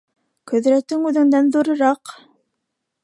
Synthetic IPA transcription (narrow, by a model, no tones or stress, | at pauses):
kɵ̆ðɾæt̪ɘŋʉðɘ̆ŋd̪ænðuɾɤ̆ɾɑq